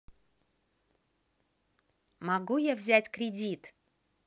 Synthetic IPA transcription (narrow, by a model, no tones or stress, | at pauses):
mɐɡujavzʲætʲkɾʲɪdʲit̪